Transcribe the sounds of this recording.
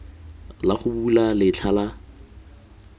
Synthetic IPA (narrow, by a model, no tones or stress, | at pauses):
laχʊbulalɪt͡ɬʰala